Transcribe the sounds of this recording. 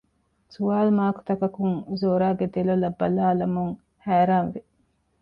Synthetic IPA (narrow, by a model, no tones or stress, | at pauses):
suaːlmaːku̥t̪ɐkɐkuŋuzoːɾaːɡed̪elolɐbːɐlaːlɐmuŋ | hæːɾaːnʋe